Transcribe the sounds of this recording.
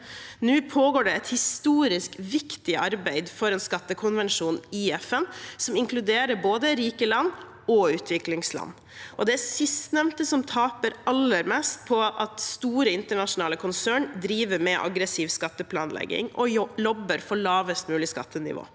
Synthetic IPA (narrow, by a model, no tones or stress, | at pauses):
nʉːpʰoːɡoːɖɛɛt̪hɪst̪uːɾɪskʋɪkt̪ɪʔɑɾbæɪd̪fɔɾɛːnskɑt̪ːəkʰʊnʋɛnʂuːnɪɛfɛnsɔmɪŋklʉd̪eːɾəɾboːd̪əɾiːkəlɑnː | ɔʉːt̪ʰʋɪklɪŋslɑ̰nː | ʔɔd̪ɛæsɪst̪nɛʋnt̪əsɔmt̪ʰɑːpəɾɑlːəɾmɛst̪̚pʰɔʔɑt̪st̪uːɾəɪnt̪əɳɑʂʊnɑːləkʰʊnsæːɳd̪ɾiːʋəɾmɛʔɑ̰ɡɾəsiːʋskɑt̪ːəpʰlɑːnlɛ̰ɡːɪ̰ŋʔɔlɔbəɾfɔɭɑːʋəst̪mʉːlɪskɑ̰t̪ːənɪ̰ʋo̰ː